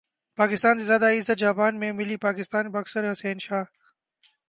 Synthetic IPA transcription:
paːkɪst̪aːnsezjaːd̪aɪzət̪̚d͡ʒaːpaːnmẽːmɪliːpaːkɪst̪aːnbəɐksəɾɐseːɪnʃaː

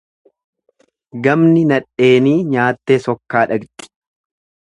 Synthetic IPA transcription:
ɡɐmnɪnɐᶑe̞ːniːɲaːt̪ːe̞ːsɔkːaːᶑɐɡt̪ʼɪ̥

